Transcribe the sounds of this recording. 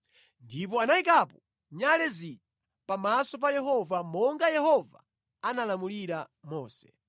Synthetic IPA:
ndip̬ɔanaikapɔ | ɲalɛzita | pamasɔp̬ajɛɦɔvamɔŋɡajɛhɔva̰ | analamuliɾa | mɔːsɛ̥

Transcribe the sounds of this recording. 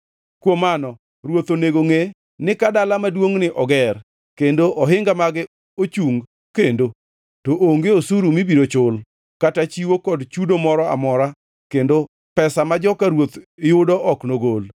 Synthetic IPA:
kwomanɔ | ɾwot̪oneɡoŋe | nɪkadalamadwoŋnɪʔɔɡɛr | kendoʔɔɦɪŋɡamaɡɪ | ot͡ʃuŋ | kendo | toʔoŋɡeosuɾumibiɾot͡ʃʊl | katat͡ʃiwokɔdt͡ʃudomɔɾɔa̰mɔɾa | kendo | pɛsamad͡ʒɔkaɾwot̪ɪjʊdɔʔɔknoɡol

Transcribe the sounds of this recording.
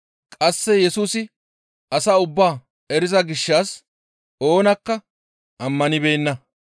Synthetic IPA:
kʼɐsːɛjɛsuːsɪ | ɐsɐʊbːaː | ɛɾɪzɐɡɪʃːaːs | ʔo̞ːnɐkːɐ | ʔɐmːɐnɪbeːnːɐ

